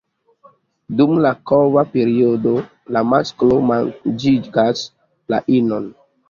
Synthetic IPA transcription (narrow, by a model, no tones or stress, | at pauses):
dumlakovapeɾiodo | lamasklomand͡ʒiɡas | la̰ʔinon